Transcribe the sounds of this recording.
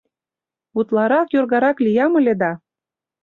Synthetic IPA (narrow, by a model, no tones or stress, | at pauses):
ut̪lɑɾɑkjorɣɑɾɑklijɑmə̆lʲed̪ɑ